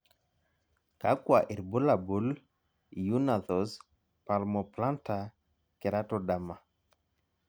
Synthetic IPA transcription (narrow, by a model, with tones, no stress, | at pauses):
ka˦kwa˨ʔi˨ɾbu˦la˨bu˨˦l | ju˦na˨θɔ˨s | pa˨lmɔ˨pla˦nta˨ | ke˨ɾa˦tɔ˦da˨ma˨